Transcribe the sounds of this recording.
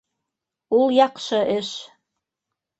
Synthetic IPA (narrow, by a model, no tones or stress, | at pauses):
ulˠjɑqʃɤ̆ʔɘʃ